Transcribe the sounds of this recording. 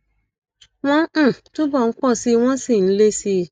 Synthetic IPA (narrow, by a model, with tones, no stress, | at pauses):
w̃ɔ̃˦˨tu˦bɔ˦˨˦k͡pɔ˦˨si˨˦w̃ɔ̃˦si˦˨n̩˨˦le˦si˧